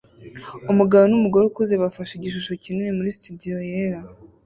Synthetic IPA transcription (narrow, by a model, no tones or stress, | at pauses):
umuɡaβonumuɡo̞ɾukuze̞βafaʃiɟiʃ̬uʃo̞cininemuɾistudijo̞jeɾa